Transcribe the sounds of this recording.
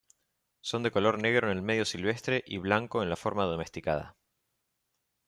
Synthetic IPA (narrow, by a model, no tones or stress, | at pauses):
so̞nd̪e̞ko̞lo̞ɾneɣ̞ɾoenelme̞ðjo̞silβ̞e̞st̪ɾe̞ʔiβ̞laŋko̞enlafo̞ɾmaðo̞me̞st̪ikað̞a̰